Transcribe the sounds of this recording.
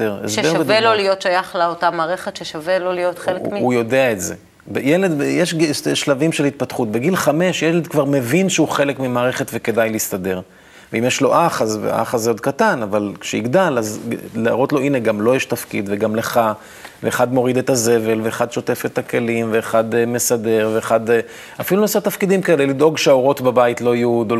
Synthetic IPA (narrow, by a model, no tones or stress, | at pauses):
eʁḛʃsʃeevelolijot̪ʃajaχlaot̪amaːʁeχet̪ʃeʃavelolijot̪χelujodeaetze̞̰ | bejele̞d̪jeʃɡiʃlavimʃelit̪̚pat̪χut̪̚be̞ɡilχame̞ʃjeled̪kvaʁme̞vinʃeuχe̞lekmimaːʁe̞χet̪veke̞d̪ajlist̪ade̞ʁ | veimjeʃlo̞ʔaχazvḛʔa̰χazeod̪̚kat̪anavalkʃeiɡd̪alazlaaʁot̪lo̞ʔineɡamlo̞jeʃt̪afkḭd̪veɡamle̞χa | veːχad̪mo̞ʁid̪e̞t̪aze̞ve̞lveːχad̪ʃo̞t̪e̞fet̪ake̞limveːχad̪me̞sade̞ʁveːχad̪ | afilunosat̪afkid̪imkae̞lelid̪o̞ɡʃeao̞ʁo̞t̪babait̪lo̞ajud̪o